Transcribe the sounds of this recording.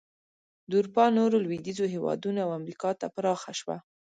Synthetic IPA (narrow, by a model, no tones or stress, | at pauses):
d̪uɾpɑnoɾolwid̪izoɦewɑ̰d̪unoawamɾikɑt̪apɾɑxaʃwa̰